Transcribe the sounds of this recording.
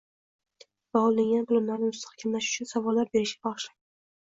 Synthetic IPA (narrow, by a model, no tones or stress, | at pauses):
b̥alˠːɪŋɡʲanbʊlˠʊmlaɾnɪmʊst̪ʰḁχkʲʰamlaʃʊ̥t͡ʃʰʊnsavɒlːaɾbeɾɪʃʲbɒʁʃla